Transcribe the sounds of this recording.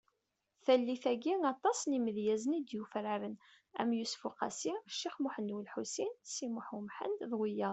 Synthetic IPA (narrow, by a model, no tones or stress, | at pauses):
θælːiθæɡiŋɑt̪ˤːɑsniməðjæzənid̪jufɾaɾən | æ̰mjusfuqæ̰siʃːiχmʊħənwəlħusinsimʊħumħə̰nd̪ðˤwijæ